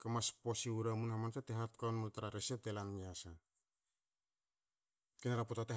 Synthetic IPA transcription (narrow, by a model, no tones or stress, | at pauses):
kamaspo̞siuɾamunhamansateɦat̚kawnmultaɾaɾesetelaniasa | kenaɾaputate